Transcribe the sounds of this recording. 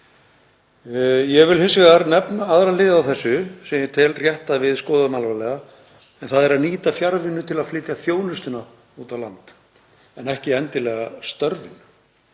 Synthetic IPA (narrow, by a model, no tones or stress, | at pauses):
jɛɣvɪlhɪnsɪɣaɾnɛpnaaðɾalɪːðawθɛsːʏsɛmjɪt̪ʰɪlrjɛht̪aðvɪðskɔːðmalvalɛɣa | ɛnθaðɛɾaðniːt̪afjaɾvɪnːʏt̪ʰɪlaðflɪːt̪jafjoːwnʏst̪ʏna | uːt̪avlant̪ | ɛnɛhcɪɛnt̪ɪlɛɣast̪œɾvɪn